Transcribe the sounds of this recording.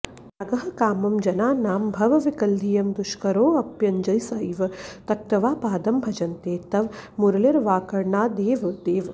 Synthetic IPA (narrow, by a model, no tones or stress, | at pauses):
aɡɐɦɐ̆kaːmɐmd͡ʒɐnaːnaːmbʱɐʋɐʋikɐld̪ʱijɐmd̪uʃkɐɾoːɐpjɐɲd͡ʒɐjsɐiʋɐt̪ɐk̚t̪ɐʋaːpaːd̪ɐmbʱɐd͡ʒɐnt̪eːt̪ɐʋmuɾlɐɾʋaːkɐɾɳaːd̪eːʋd̪eːʋ